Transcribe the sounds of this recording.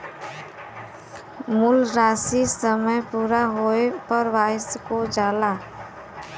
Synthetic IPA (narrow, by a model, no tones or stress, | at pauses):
mulɾaːsisəməjpuːɾaɦoepəɾʋaskod͡ʒaːla